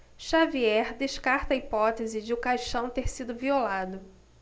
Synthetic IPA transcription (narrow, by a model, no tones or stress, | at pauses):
ʃaviɛɾd̪eʃkaɾt̪ɐipɔt̪ezɪd͡ʒɪʊkajʃɐ̃w̃t̪eɾsid̪ʊviolad̪ʊ